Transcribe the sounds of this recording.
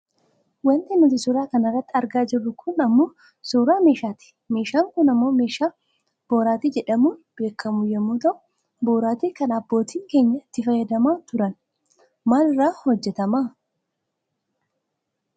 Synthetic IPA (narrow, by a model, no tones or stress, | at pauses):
wɐnt̪ɪnʊt̪ɪsuɾaːkɐnɐrːɐt̪ːɪɐɾɡaːd͡ʒɪrːʊkʰʊnɐmːoː | suːɾaːme̞ːʃaːt̪ɪ̥ | me̞ːʃaːŋkʊnɐmːo̞ːme̞ːʃaː | b̥o̞ːɾaːt̪iːd͡ʒɛᶑɐmuːb̥e̞ːkːɐmʊjɛmːuːt̪ɐʔʊ | boːɾaːt̪iːkɐnɐbːo̞ːt̪iːŋke̞ːɲːɐt̪ːɪfɐjɐd̪ɐmaːt̪ʊɾɐn | maːlɪrːaːhɔd͡ʒːɛt̪ɐmaː